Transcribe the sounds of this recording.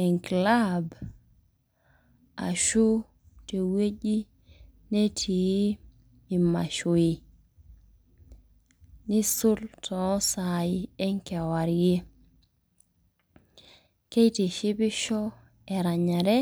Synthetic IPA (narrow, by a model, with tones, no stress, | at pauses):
ɛ˨ŋkla˦b | a̰˨ʃu˦ | te˨we˦d͡ʒi˦ | ne˦tʰi˨˦ | i˨ma̰˨ʃo˨i˨ | nɪ˦sʊ˦ltʰɔ˨˦sa˨i˦ɛ˦ŋkɛ˨wa˨ɾje˦ | ke˦jte˨ʃɪ˦bɪ˦ʃɔ˦ | ɛ˨ɾa˨ɲa˨ɾɛ˦